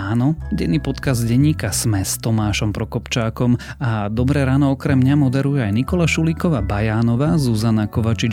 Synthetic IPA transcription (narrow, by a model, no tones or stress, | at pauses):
aːnɔɟɛnːiːpɔt̪kazɟɛɲːiːkasmɛst̪ɔmaːʃɔmpɾɔkɔpt͡ʃaːkɔmad̪ɔbɾɛːɾaːnɔɔkɾɛmɲamɔd̪ɛɾujɛajnikɔlaʃulikɔʋaːbajaːnɔʋaːzuzanakɔʋat͡ʃi